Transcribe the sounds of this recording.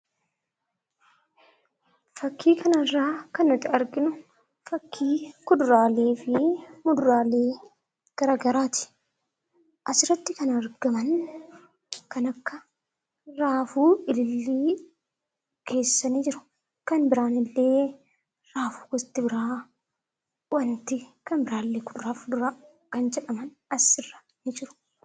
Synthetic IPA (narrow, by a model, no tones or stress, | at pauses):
fɐkʰːiːkʰɐnɐrːaːkɐnːɔt̪ɪɐɾɡɪnʊ | fɐkʰːiːkʊd̪ʊɾaːleːfɪmʊd̪ʊɾaːle̞ː | ɡ̥ɐɾaɡɐɾaːt̪ɪ̥ | ʔɐsɪɾɐt̪ːɪkɐnɐɾɡɐmɐn | kɐnɐkːɐ | ɾaːfuːɪlɪlːiː | kʰe̞ːsːɐniːd͡ʒɪɾʊ̥ | kɐnbɪɾaːnɪlːe̞ː | ɾaːfu̥ːɡɔst̪ːɪbɪɾaː | wɐnt̪ɪkɐnbɪɾaːɪlːeːkʊd̪ʊɾaːfʊd̪ʊɾaː | kɐnd͡ʒɛᶑɐmɐn | ɐsɪrːɐ̥ | nɪd͡ʒɪɾʊ̥